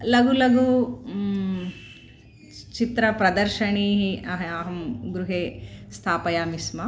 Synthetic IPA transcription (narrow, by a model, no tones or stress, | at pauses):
lɐɡulɐɡu | t͡ʃit̪ɾɐpɾɐd̪ɐɾʃɐɳiɦiɐɦɐɦɐmɡɾuɦeːst̪ʰaːpɐjaːmismɐ